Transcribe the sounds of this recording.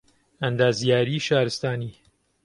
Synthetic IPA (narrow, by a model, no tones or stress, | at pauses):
ɐnd̪aːzijaːɾiːʃaːɾɨst̪aːniː